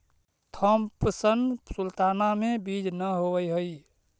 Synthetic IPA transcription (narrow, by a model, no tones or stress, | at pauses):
t̪ʰəmpsənsult̪anamebid͡ʒnəɦowəjɦəj